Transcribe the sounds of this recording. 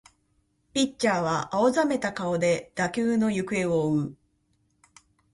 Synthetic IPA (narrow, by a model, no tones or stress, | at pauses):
pʲit͡ɕaːβ̞aʔaozame̞t̪akao̞d̪e̞d̪̥akʲɨːno̞jɯ̟kɯ̟e̞oːɯ̟